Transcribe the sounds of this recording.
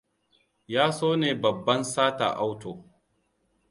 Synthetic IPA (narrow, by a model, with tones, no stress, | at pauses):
jaː˦soː˦neː˨bɐ˨bːɐ˦nsaː˦ta̰˨ʔa˦wtoː˨